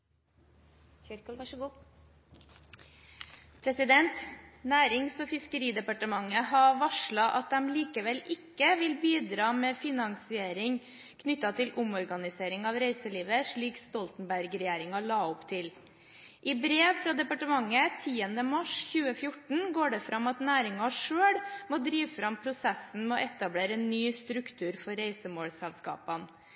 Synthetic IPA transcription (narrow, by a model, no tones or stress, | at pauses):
pʰɾɛsɪd̪ɛnt̪næːɾɪŋsoːfɪskəɾiːd̪ɛpɑʈəmɑŋːəɦɑʋɑʂɭɑʔɑt̪̚d̪ɛmliːkəʋɛlɪkːəʋɪlbiːd̪ɾɑːmeːfɪnɑŋsɪeːɾɪŋ | kʰnʏt̪ːɑt̪ʰɪlʔʊmɔɾɡɑnɪseːɾɪŋɑːʋɾeɪsəliːʋəʂɭiːkst̪ɔlt̪n̩bæɾɡɾɛjeːɾɪŋɑɭɑːʊpt̪ʰɪl | ʔɪbɾeːʋfɾɑːd̪ɛpɑʈəmɑŋːət̪ʰiːənd̪əmɑʂçʉːəfjʊʈɳ̩ɡoːɖɛfɾʔɑmɑt̪næːɾɪŋɑʂøːɽmod̪ɾiːʋfɾɑmpʰɾʊsɛsn̩mɛɔʔɛt̪ɑbleːɾəeːnːyːst̪ɾʉkt̪ʰʉːɾfɔɾːeɪsəmoːɽsɛlskɑ̰ːpɑn